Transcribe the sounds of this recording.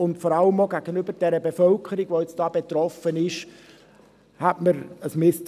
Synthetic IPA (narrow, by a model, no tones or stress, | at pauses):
ʊntfɔɾɑləmoɡæɡ̥ənybəɾd̥ɛɾəbefœlkʰəɾiɡʋoɪt͡sd̥ɑːb̥et̪ɾɔfənɪʃ | hætməɾəsmɪst